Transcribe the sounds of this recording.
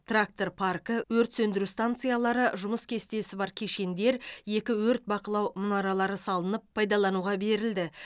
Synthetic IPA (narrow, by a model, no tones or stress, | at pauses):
t̪rak̚t̪o̞ɾpʰarkəwɵɾt̪sɵnd̪ɪɾʉst̪ant̪sɨjalˠɑɾəʒʊməskʲʰe̞st̪e̞sɪbɑɾkʲʰe̞ʃe̞nd̪e̞ɾje̞kʲɪwɵɾt̪̚bɑqəlˠɑwmʊnɑɾɑlˠɑɾəsɑlˠənəpʰːɑjd̪ɑlˠɑnuʁɑbe̞ɾɪld̪ɪ